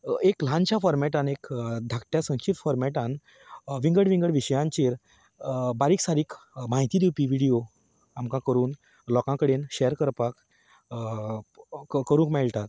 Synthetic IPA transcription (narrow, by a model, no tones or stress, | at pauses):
eklãnt͡ɕjafɔɾmɛʈanekd̪ʱakʈ̪jasə̃nɕit̪fɔɾmɛʈãn | ʋĩŋɡəɽʋiŋɡəɽʋiɕjãɲt͡ɕiːɾ | baɾiːksaɾiːkmaɦit̪iːd̪iwpiːʋiɽijo | amkãkəɾuːn | lɔkãkəɽenɕɛjəɾkəɾpak | kəɾũkmɛɭt̪at̪